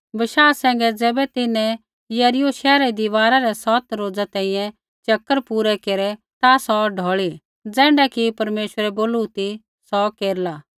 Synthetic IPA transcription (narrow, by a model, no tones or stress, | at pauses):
bɐʃaːsɛ̃ːŋ̆ɡɛd͡zɛːbɛt̪ɪnɛ̃ | jɐɾɪjoʃɛːɾɛd̪ɪʋaːɾaɾɛsɔt̪ɾoːd͡zat̪ɛ̃ːĩjɛ̃ | t͡ʃɐkːəɾpuːɾɛkeːɾɛ | t̪asɔɖʱɔːɭi | d͡zɛ̃ːɳɖakipɐɾmeːʃwəɾɛboːlut̪i | sɔkeːɾlaː